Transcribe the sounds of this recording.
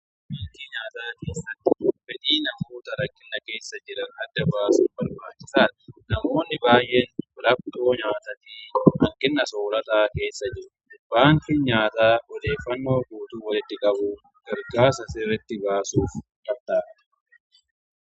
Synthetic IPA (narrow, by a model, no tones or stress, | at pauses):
bɐŋk̪ɪɲaːt̪aːke̞ːsːɐt̪ːɪfɛᶑiːnɐmuːt̪ɐɾɐkːɪnːɐke̞ːsːɐd͡ʒɪɾɐnɐd̪ːɐbaːsʊːnbɐɾbaːt͡ʃːɪ̥saːt̪ɐnɐmo̞ːnːɪbaːjʔeːnlɐb̚t̪o̞ːɲaːt̪ɐt̪iːhɐŋkɪnːɐsoːɾɐt̪aːke̞ːsːɐd͡ʒɪɾ | b̥aːŋkɪɲaːt̪aːʔɔd̪e̞ːfːɐnːo̞ːɡuːt̪uːwɐlɪt̪ːɪkʼɐbʊ | ɡ̥ɐɾɡaːɾsɐsɪrːɛt̪ːɪbaːsuːfkʼɐt̪aːt̪ɐ̥